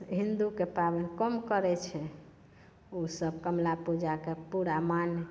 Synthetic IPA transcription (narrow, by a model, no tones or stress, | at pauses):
ɦind̪ukepabənkəmkəɾɛt͡ʃʰɛ | osəbkəmlapud͡ʒakepuɾaman